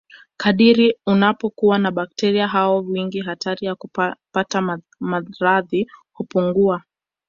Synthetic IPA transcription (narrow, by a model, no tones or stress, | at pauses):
kaɗiɾiunapɔkuwanaɓak̚tɛɾiaɦaɔwiŋɡiɦatʰaɾijakupata | maɾaðihupuŋɡua